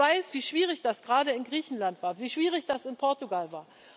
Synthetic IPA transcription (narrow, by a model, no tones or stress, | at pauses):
aɪsv̥iːʃv̥iːʁɪçd̥asɡ̥ʁaːdəɪnɡʁiːçn̩lantv̥aːɐviːʃv̥iːʁ̞ɪçd̥asɪnpʰɔɐtuɡalvaːɐ